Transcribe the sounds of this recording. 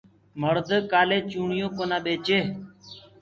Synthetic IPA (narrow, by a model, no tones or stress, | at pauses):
məɾd̪əkaːleːt͡ʃuːɳɪjõːkoːnãːɓeːt͡ʃeː